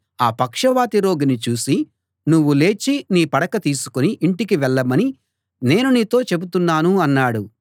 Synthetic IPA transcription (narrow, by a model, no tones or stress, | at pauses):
aːpɐkʂɐʋaːt̪iɾo̞ːɡinit͡ʃuːsi | nuʋːule̞ːt͡ʃiniːpɐɽɐkɐt̪iːsu̥koniʔiɳʈikiʋɛɭːɐmɐni | ne̞ːnuniːt̪o̞ːt͡ʃe̞but̪unːaːnuɐnːaːɽu